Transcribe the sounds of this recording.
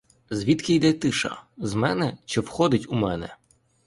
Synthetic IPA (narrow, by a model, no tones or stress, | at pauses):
zʋʲit̪kɪjd̪ɛt̪ɪʃɐ̰zmɛnɛʃt͡ʃɔwxɔd̪ɪtʲumɛnɛ̰